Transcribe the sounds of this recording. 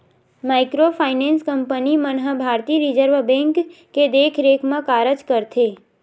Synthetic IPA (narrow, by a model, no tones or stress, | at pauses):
majkɾopʰajnẽnskəmpənimənɦəbʱaɾt̪iɾid͡ʒəɾʋbẽŋkː | ed̪ekʰɾekʰmãkaɾəd͡ʒkəɾt̪ʰe